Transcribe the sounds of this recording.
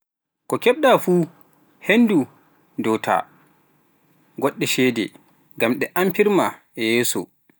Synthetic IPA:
kɔkɛɓɗafuː | hendu | dɔtʰa̰ | ɡɔɗːɛʃɛːdɛ̰ | ɡamɗɛʔampiɾma | jɛːsɔ̰

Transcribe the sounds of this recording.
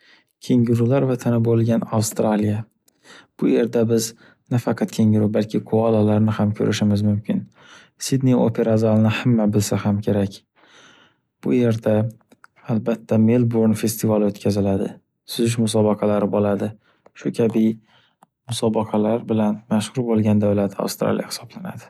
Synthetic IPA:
kʲʰe̞ŋɪɾulaɾvat̪ʰanɪbolˠɡʲanawst̪ɾalija | b̥ʊje̞ɾd̪abɪz | nafɑqʰɑt̪kʲʰe̞ŋʲɪɾubalkʲʰɪqʰʊalalaɾnɪhamkʲʰɵ̰ɾʔɪʃɪmɪzmʊmkʲʰɪn | sɪd̪nio̰pʰe̞ɾazalˠnɪhamːabɪlsahamkʲʰe̞ɾakʲ | b̥ʊ̰je̞ɾd̪a | albat̪ʰːamelboɾnfe̞st̪ʰɪvalot̪kʲʰazɪlad̪ɪ̰ | sʊzɪʃmʊs̬ɒbɑqʰɑlaɾɪbolad̪ɪ | ʃʊkʲʰabɪ | mʊsɒbɑqʰɑlaɾbɪlanmaʃhʊɾbolˠɡʲand̪awlat̪ʰa̰wst̪ɾa̰lḭja̰hɪ̥sɒblana̰d̪ɪ

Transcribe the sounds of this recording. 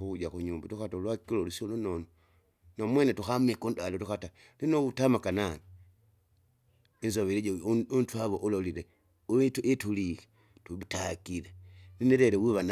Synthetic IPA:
uud͡ʒaxuɲuːmbatuxatolwakilolusolonono | nomweːnetuxamikundalotuxata | linoutamakanani | inzoβeliɟuntwaβoʔulolile | uituetulixe̥ | tutakilenineɾeɾewiβan

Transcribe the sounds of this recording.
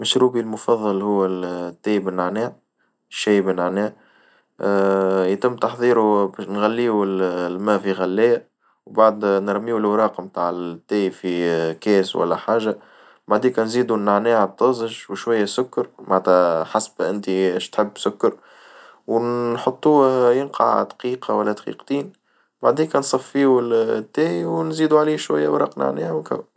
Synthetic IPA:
mɪʃɾuːbilmʊfɑðˤːɑlhʊwːæt̪ːæːjbɪnːaʕnæːʕ | ʃːæːjbɪnaʕnæː | jt̪ɪmːt̪ɑħðˤiːɾubæʃnɣælːiːuɪllmæːfiɣælːæːjæ | wbaʕd̪nɾˤmiːwəlwɾˤɑːqɑmt̪aːʕɪt̪ːæːjfikɛːswʔæ̰lːæħaːʒa | baʕd̪iːkɑnziːd̪unaʕnɛːhat̪ˤːɑzˤʒwʃwajːæsʊkːɑɾmat̪æħasb̥ʔɪnt̪iʃt̪ħəbːsʊkːɑɾ | wħot̪ˤːuːjɪnqɑ̰ʕd̪qiːqɑwælːæd̪qḭːqt̪iːn | baʕd̪iːkɑnsˤɑfːiːwlt̪ːæːiwnziːd̪uʕliːʃwæ̰jːæwɾɑ̰ːqna̰ʕnɛ̰ːhawkæ̰w

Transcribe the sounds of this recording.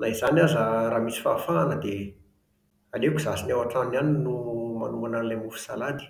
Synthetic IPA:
naiz̥anazaɾaːmisi̥fafaːnəd̪e | alekuzasinewaʈ͡ʂananinuma̰numananlamufu̥salad̪i̥

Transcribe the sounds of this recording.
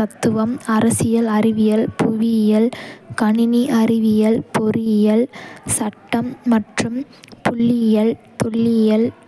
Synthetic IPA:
ɐt̪ːɯʋɐmɐɾɐsɪjɐlɐrɪʋɪjɐlpʊʋɪjɐlkɐɳɪniʔɐrɪʋɪjɐlpɔrɪjɐlsɐʈːɐmːɐʈrɯm | pʊɭːɪjɐl | t̪ɔɭːɪjɐl

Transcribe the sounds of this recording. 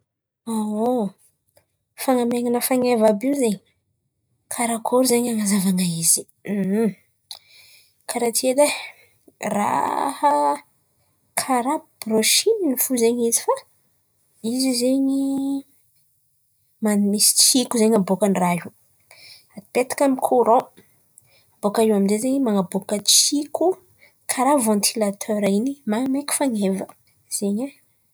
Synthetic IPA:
ao | faŋameŋanəfaŋevabiuzeɲi | kʰaɾakʰoɾzeɲaŋazavaŋaizi̥ | kʰaɾat̪ʰied̪e | ra̰ha | kʰaɾabb̥ɾoʃininifuzeɲizifa | izizeɲi | manmisi̥t͡sikuzeɲabokanraɦu | at̪et̪ḁkamikʰuɾõ | abokaiwaminzezeɲimaŋabokət͡siku | kʰaɾavɑ̃nt̪ʰilat̪ʰøɾainimamakʲu̥faŋevə | z̥eɲa

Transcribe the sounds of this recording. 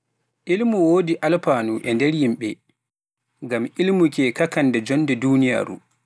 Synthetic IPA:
ʔilmuwoːdiʔalpaːnuʔɛndɛɾjimɓɛ | ɡamilmukɛkakanːdɛd͡ʒɔnːdɛduːnija̰ːɾṵ

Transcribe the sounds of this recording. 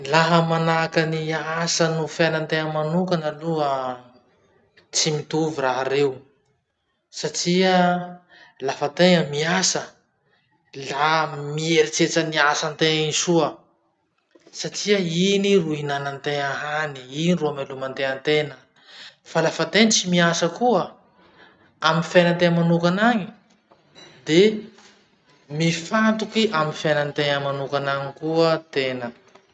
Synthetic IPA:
laɦəmanakəniasənufanant̪eɲəmanukanəluə | t͡simit̪uviraɦaɾew | saʈ͡ʂiə | lafat̪eŋəmiasə | lamieɾit͡set͡səniasant̪eŋisuə | saʈ͡ʂiəiniruinanant̪eŋaɦaniiniruamelumant̪eənt̪enə | falafat̪ent͡simiasəkuə | amifejnant̪eŋəmanukanaŋi | d̪e | mifant̪ukiʔamifajnənt̪eŋəmanukanaŋikuət̪enə

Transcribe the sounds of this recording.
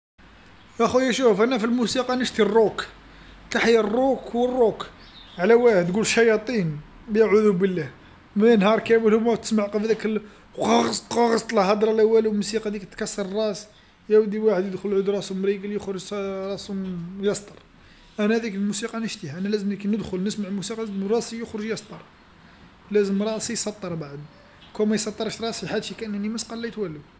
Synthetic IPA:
ʔæxujæʃufʔænæfilmusiqɑnəʃt̪irˤːuk | t̪aħiərˤːukwərˤːuk | ʕlæwæħəd̪ɡulʃɑjɑt̪ˤin | bjaʕuðubəlːæh | mæænhɑɾˤkæməlhʊmæwt̪ə̥smaʕqəfd̪ækl | qɑɣsqɑɣəsˤt̪ˤəlhɑd̪ˤɾˤɑlʔæwːælwmusiqɑd̪ikt̪ːkɑsːɑɾˤərˤːɑs | jæwəd̪iwaħəd̪jəd̪xʊlʕud̪ɾˤɑsmɾiɡəljəxɾəʒɾˤɑsmjɑst̪ˤəɾˤ | ʔænæhd̪ikəlmusiqɑnəʃt̪ihæʔænælæzəmlikinəd̪xʊlnəsmaʕlmusiqɑlæzmɾˤɑsijəxɾəʒjɑsˤt̪ˤəɾˤ | læzəmɾˤɑsijsˤɑt̪ˤːəɾˤbaʕəd̪ | kæmæjsɑt̪ˤːəɾˤəʃɾˤɑsiħad̪ʃikæʔənːænimæsqɑlːæjt̪wælːu

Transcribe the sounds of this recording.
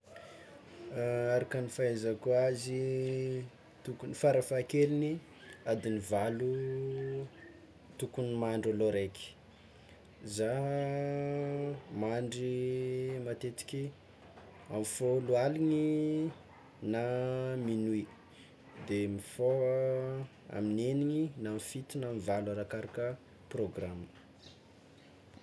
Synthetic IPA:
aɾakanifaezakuazi | t̪ukunifaɾafakelini | ad̪inivalu | t̪ukunimaɳɖ͡ʐoloɾeki̥ | za | maɳɖ͡ʐi | mat̪et̪i̥kʲi | amifolualiŋi | naminui | d̪emifo | a̰mineniŋinamifit̪inamivalwaɾakaɾakə | proɡramə

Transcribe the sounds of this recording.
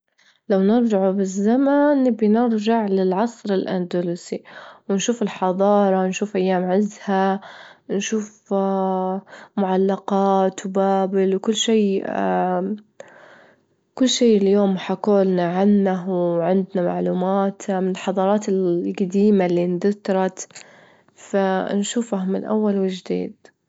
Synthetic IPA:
lawnɪɾd͡ʒaʕubɪzːamanbnɪɾd͡ʒaʕlɪlʕɑsˤɾɪlʔand̪aluːsiwɪnʃuːfɪlħɑðˤɑːɾˤɑnʃuːfʔajːaːmʕɪzha | nʃuːf | mʊʕalːaqɑːt̪wbaːbɪlwkʊlːʃeː | kʊlːʃeːʔljoːmħakoːlnaʕanːawʕɪnd̪nama̰ʕluːmaːt̪mɪnɪlħɑðˤɑːɾˤɑːt̪ɪlɡad̪iːmalːiːnd̪ʊt̪ɾˤɑt̪ | fanʃuːfahmɪ̰nʔa̰wːalwɪd͡ʒd̪ḭːd̪

